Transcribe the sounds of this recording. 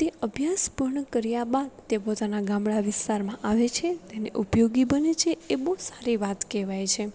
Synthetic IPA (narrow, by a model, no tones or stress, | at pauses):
t̪eəbʱjaspuɾɳəkəɾjabad̪t̪epot̪anaɡãmɭaʋɪst̪aɾmãʔaʋet͡ʃʰet̪enḛʔupjoɡibənet͡ʃʰeːboɦsḁɾiʋat̪keʋajt͡ʃʰe